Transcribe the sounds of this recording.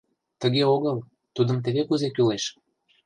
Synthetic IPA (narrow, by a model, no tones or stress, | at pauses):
t̪əɣeoɣəl | t̪ud̪əmt̪̬eβekuzekyleʃ